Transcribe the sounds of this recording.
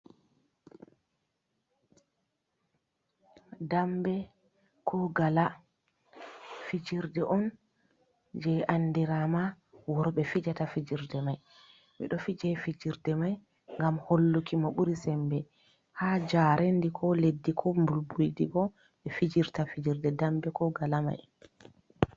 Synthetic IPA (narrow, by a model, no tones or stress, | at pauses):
dambɛ | kʰɔɡala | fid͡ʒiɾdɛʔɔn | d͡ʒɛʔandiɾama | wɔɾɔɓɛfid͡ʒatafid͡ʒiɾdɛmaj | mḭɗɔfid͡ʒɛfid͡ʒiɾdɛmaj | ŋɡamholːukimaɓuɾisɛmbɛ | haːd͡ʒaːɾendikʰɔledːikʰɔmbulbujdḭɓɔ | ɓɛfid͡ʒiɾtafid͡ʒiɾdɛdambɛkɔɡalama̰j